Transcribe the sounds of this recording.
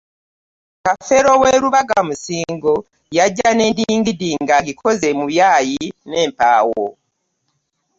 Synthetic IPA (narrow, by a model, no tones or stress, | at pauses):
kafe̞ɾo̞weːɾuβaɡamusiːŋɡo | jaɟːane̞ːndiːŋɡidiːŋɡaɡikʰo̞ze̞muβjajine̞ːmpa̰ːwo̰